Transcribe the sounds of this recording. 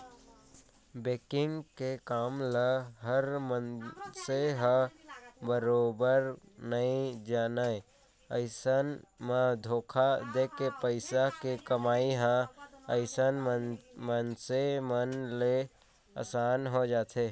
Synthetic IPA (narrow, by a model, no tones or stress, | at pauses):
beːkɪŋɡkekaːmləɦəɾmənseɦə̃ | bəɾoːbəɾ | nəĩd͡ʒaːnə | əɪsənmə̃d̪ʱoːkʰad̪ekepəɪsakekəmaːiɦə̃əɪsənmənsemənle | a̰saːnɦod͡ʒaːt̪ʰe